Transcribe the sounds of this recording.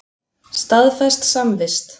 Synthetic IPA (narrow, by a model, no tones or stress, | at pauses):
st̪aðfɛst̪samvɪst̪